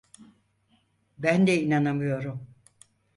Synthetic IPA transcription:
bænd̪ɛinanamɯjo̞ɾum

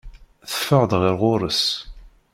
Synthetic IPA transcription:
θə̥fəʁd̪ʁɪɾʁʊɾˤəs

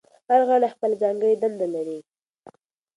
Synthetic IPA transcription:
haɾɣaɽaxpəlzɑŋɡəjd̪and̪alaɾi

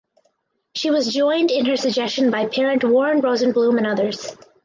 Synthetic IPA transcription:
ʃiwʌzd͡ʒɔ̃ɪ̃ndɪ̃nə˞sɨɡ̚d͡ʒɛst͡ʃɨ̃nbaɪpʰɛɹɨ̃nʔwɔɹ̃nɹoʊzɨ̃nblũmɨ̃nʌðə˞z̥

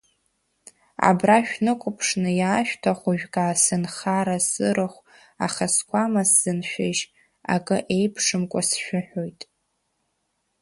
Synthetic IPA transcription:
a̰braʃᶣnɨkʷʼʊpʰʂnɨjaːʃᶣtʰaχʷʊʒᶣɡʼaːsɨnχaɾasɨɾɨχʷ | a̰χaskʷʰamasz̥ɨnʃᶣaʒ | a̰kʼɨʔe̞jpʰʂɨmkʷʼasʃᶣʊħᶣojtʼ

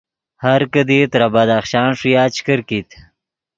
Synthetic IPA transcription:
haɾkəd̪it̪ɾabad̪aχʃɑːnʂujɑːt͡ʃkəɾkit̪

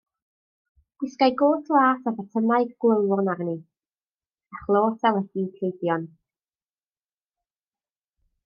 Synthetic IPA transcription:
ɡ̥wɪskajɡoːθlˠaːsavətʰəmaɨɡɡwəlˠwɔnarni | aχlˠoːtʰalˠɛdikʰejbjɔn

